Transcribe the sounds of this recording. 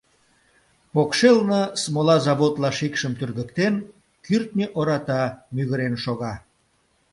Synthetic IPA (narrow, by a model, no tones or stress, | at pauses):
pokʃelnəsmolɑzɑβot̪lɑʃikʃəmt̪yrɣəkt̪en | kyrt̪nʲeʔoɾɑt̪ɑmyɣəɾenʃoɣɑ